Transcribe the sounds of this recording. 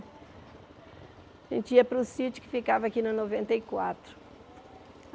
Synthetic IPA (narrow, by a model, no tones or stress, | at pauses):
ḛ̃nt̪iɐpɾusit̪u̥kɨ̥fikavɐːkinɐnovẽnt̪ɐikwat̪ɾu̥